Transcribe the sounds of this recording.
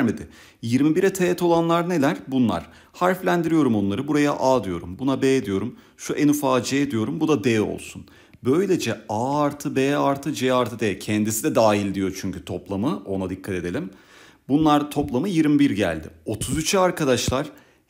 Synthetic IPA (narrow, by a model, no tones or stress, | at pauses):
ɾmed̪ɪ | jiɾmibiɾɛt̪ʰeːɛt̪ʰo̞lˠanlˠaɾne̞lʲæɾ̥bunlˠa̰ɾ̥ | haɾflʲænd̪iɾijo̞ɾumo̞nlˠaɾɯbuɾajaʔaːd̪ɯjo̞ɾumbunabɛːd̪ijo̞ɾum | ʃuʔenufaːd͡ʒɛed̪ijo̞ɾumbud̪ad̪ɛːo̞̰lˠsun | bø̞jlʲe̞d͡ʒɛaaɾt̪ʰɯbɛːaɾt̪ʰɯd͡ʒɛaɾt̪ʰɯd̪ɛcʰɛnd̪isid̪ɛd̪aːɦilʲd̪ijo̞t͡ʃʰyɲcyt̪ʰo̞plˠamɯo̞nad̪ikʰːat̪ʰe̞d̪e̞lʲim | bunlˠaɾt̪ʰo̞plˠamɯjiɾmibiɾɟæ̰lʲd̪ɪ̰o̞t̪ʰuzyt͡ʃʰyaɾkad̪aʃlˠaɾ̥